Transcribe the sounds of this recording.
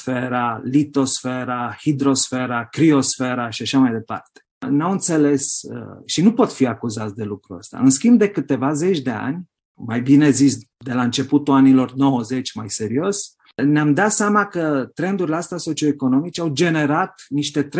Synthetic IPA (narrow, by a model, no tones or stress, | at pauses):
feɾalit̪o̞sfe̞ɾahid̪ɾo̞sfe̞ɾakɾio̞sfe̞ɾaʃiaʃamajd̪e̞pa̰rt̪e̥namɨnt̪se̞le̞sʃinupo̞t̪fiakuzat̪sʲd̪e̞lukɾuə̰st̪a̰ɨnskʲimb̚d̪e̞kɨt̪e̞vaze̞t͡ʃʲd̪e̞a̰nʲ | majbine̞zis | d̪e̞laɨnt͡ʃe̞put̪uanilo̞rno̞wəze̞t͡ʃʲmajse̞ɾio̞sʲ | neamd̪at̪seamakət̪ɾe̞nd̪uɾileast̪aso̞t͡ʃio̞eko̞no̞mit͡ʃeawd͡ʒe̞ne̞ɾat̪niʃt̪e̞t̪ɾ